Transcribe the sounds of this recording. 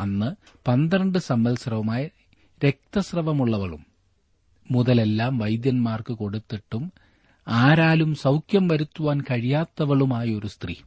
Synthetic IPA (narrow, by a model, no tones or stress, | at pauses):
ɐnːɨ | pɐnd̪ɾɐɳɖɨsɐmbɐlsrɐʋɐmaːjɐ | ɾe̞k̚t̪ɐsrɐʋɐmuɭːɐʋɐɭṵmː | uðɐle̞lːaːmʋɐjd̪jɐnmaːrkɨko̞ɽut̪ːiʈːum | aːɾaːlumsɐwkʰjɐmʋɐɾut̪ːuʋaːnkɐɻijaːt̪ːɐʋɐɭumaːjɐo̞ɾust̪rḭ